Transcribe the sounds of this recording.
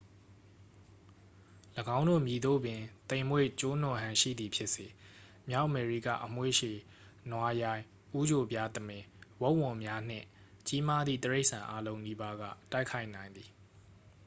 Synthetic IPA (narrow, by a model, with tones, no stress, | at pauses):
ləɡã˦ʊ̃ndo̰˦˨mji˨d̪o̰˦˨bɪ̃˨t̪ẽ˨ɪ̃mwḛ˦˨t͡ɕo˦n̥ʊ̃˨ɦã˨ʃḭ˦˨d̪ði˨pʰjɪ˦ʔse˨ | mja˦ʊʔmɛ˨ɹi˦˨kä̰˦˨ʔəm̥we˦˨ʃe˨ | nwa˨ja˨ɪ̃ | ʔu˦d͡ʑo˨bja˦t̪əmɪ̃˨wo˦ʊʔwʊ̃˨mja˦n̥ɪ̰̃˦˨ | t͡ɕi˦ma˦d̪ðḭ˦˨t̪əɹe˦ɪʔsã˨ʔa˦lõ˦ʊ̃ni˦ba˦ɡä̰˦˨ta˦ɪkʰa˦ɪʔnã˨ɪ̃nd̪ði˨